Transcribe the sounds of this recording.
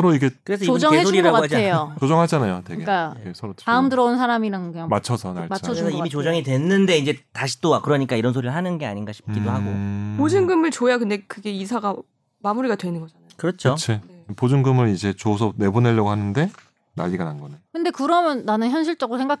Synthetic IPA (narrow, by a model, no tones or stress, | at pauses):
sʰʌɾoiɡekɯɾe̞sʰʌiʌŋeesoɾiɾaɡoɦad͡ʑaejot͡ɕod͡ʑʌŋɦad͡ʑanajotweɡɡeaesʰʌɾoaɯmdɯɾʌunsʰaɾamiɾaŋɡmat͡ɕʰʌsʰʌnaɾesʰʌimit͡ɕod͡ʑʌŋidwe̞nːɯnde̞ind͡ʑe̞taɕʰi̥t͈oakɯɾʌɲik͈aiɾʌnsʰoɾiɾɯɭɦanɯnɡe̞a̰ɲinɡaɕʰi̥p̚k͈idoɦaɡopod͡ʑɯŋɡɯmɯɭt͡ɕojakɯnde̞kɯɡe̞isʰaɡa | mamuɾiɡadwe̞nɯnɡʌd͡ʑanakɯɾʌt͡ɕʰot͡ɕʰepod͡ʑɯŋɡɯmɯɾid͡ʑe̞t͡ɕosʰʌne̞bune̞ʎːʌɡohanɯnde̞ | na̰ʎːiɡananɡʌnejokɯnde̞kɯɾʌmjʌnːanɯnçjʌnɕ̬ʰiɭt͡ɕ͈ʌɡɯɾosʰeŋɡak